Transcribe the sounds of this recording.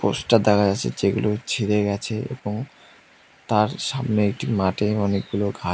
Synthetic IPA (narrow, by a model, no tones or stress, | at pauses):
posʈʈad̪akʰaat͡ɕʰḛd͡ʑeɡulot͡ɕʰiɾeɡɛt͡ɕʰeḛboŋ | t̪aɾʃamneek̚ʈimaʈeɔnek̚ɡuloɡʱa